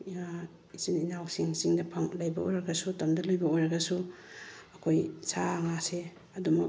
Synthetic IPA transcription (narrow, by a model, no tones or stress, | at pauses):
isininawsiŋsiŋdɐpʰaŋlɐjbɐo̰jɾɐɡɐsutɐmdɐlojbɐojɾɐɡɐsu | ɐkʰojsaŋase | ɐdumuk